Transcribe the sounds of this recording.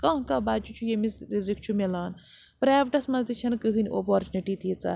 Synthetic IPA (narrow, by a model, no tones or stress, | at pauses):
kɐ̃ɦkɐbaːt͡ʃut͡ʃʰujemisizik̚ʰt͡ʃʰumilaːn | pɾaːʋʈɐsmɐzd̪it͡ʃʰɐnkɨɦɨnʲo̰poɾt͡ʃuniʈiːt̪ʰit͡sɐ̰